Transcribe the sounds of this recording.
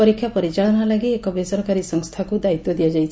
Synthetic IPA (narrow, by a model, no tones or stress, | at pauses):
ɔɾikʰjapɔɾit͡ʃaɭɔnalaɡiekɔbesɔɾkaɾisɔŋst̪ʰakud̪ait̪jɔd̪ijad͡ʒajt͡ʃʰ